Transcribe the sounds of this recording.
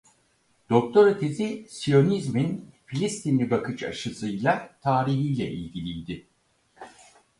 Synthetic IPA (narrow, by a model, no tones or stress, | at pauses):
d̪̥o̞k̚t̪ʰo̞ɾit̪ʰezisijo̞nizminfilʲist̪ʰinlʲibakʰɯt͡ʃa̰ʃɯsɯjlˠat̪ʰaːɾiɦijlʲɛ̰ʔḭlʲɟʲilʲijd̪ɪ